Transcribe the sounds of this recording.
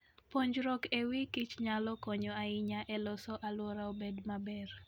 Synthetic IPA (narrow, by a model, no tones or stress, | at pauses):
poɲd͡ʒɾɔkewikit͡ʃɲalɔkɔɲɔaɪɲaʔɛlɔsɔʔalwɔɾaobedmabɛr